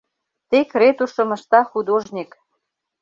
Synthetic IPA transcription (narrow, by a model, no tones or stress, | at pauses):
t̪ekret̪uʃɤ̆mə̆ʃt̪ɑxud̪oʒnʲik